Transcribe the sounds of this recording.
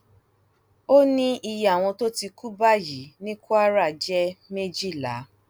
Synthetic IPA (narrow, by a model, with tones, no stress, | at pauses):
o˦nĩ˦ʔi˧ja˨w̃ɔ̃˧to˦ti˧ku˦ba˦˨ji˨˦nĩ˦ku˦a˦ɾa˦˨d͡ʒɛ˦me˦d͡ʒi˦˨la̰˨˦